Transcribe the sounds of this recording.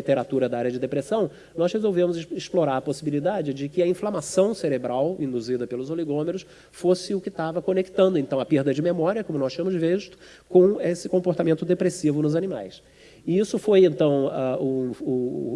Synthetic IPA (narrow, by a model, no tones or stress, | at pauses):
it̪eɾat̪uɾɐd̪aaɾjɐd͡ʒɪd̪epɾesɐ̃w̃ | nɔshezowvemʊzɪsploɾaɾɐposibilid̪ad͡ʒɪd͡ʒɪkɪɐĩflamasɐ̃w̃seɾebɾʔawĩnd̪uzid̪ɐpelʊzoliɡomeɾʊs | fosɪʊkɪt̪avɐkõnekt̪ɐ̃nd̪ʊẽnt̪ɐ̃w̃ɐpeɾd̪ɐd͡ʒɪmemɔɾiɐkõmʊnɔst͡ʃĩɲɐmʊzviʃt̪ʊ̥ | kõesɪkõpoɾt̪amẽnt̪ʊd̪epɾesivʊnʊzɐnima̰js | ɪisʊfojẽnt̪ɐ̃w̃aʊ